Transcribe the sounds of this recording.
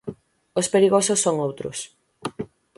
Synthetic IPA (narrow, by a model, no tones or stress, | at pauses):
ospeɾiɣosʊsːoŋowt̪ɾʊ̰s